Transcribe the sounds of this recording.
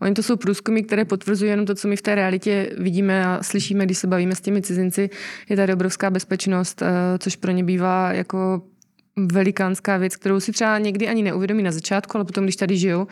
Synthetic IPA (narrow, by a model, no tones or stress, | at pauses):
ʔo̞̰ɲɪt̪o̞so̞wpɾuːskumɪk̚t̪ɛɾɛːpo̞t̪vr̩zujijɛnomt̪̬o̞t͡so̞mɪft̪ɛːɾɛalɪcɛvɪɟiːmɛaslɪʃiːmɛɡdɪʃsɛbaviːmɛscɛmɪt͡sɪzɪnt͡sɪjɛt̪adɪobɾo̞fskaːbɛspɛt͡ʃno̞st̪t̪t͡soʃpɾoɲɛbiːvaːja̰ko̞ | vɛlɪkaːnskaːvjɛt͡sk̚t̪ɛɾowsɪt̪r̥ɛbaɲɛɡdɪaɲɪnɛʔuvjɛdo̞miːnazat͡ʃaːt̪kualɛpot̪omɡdɪʃt̪adɪʒɪjo̞w